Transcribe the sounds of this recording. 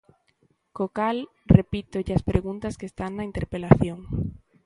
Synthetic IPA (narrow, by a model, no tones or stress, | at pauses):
kokalrepit̪ʊʎaspɾeɣunt̪askest̪aŋnaint̪eɾpelaθjoŋ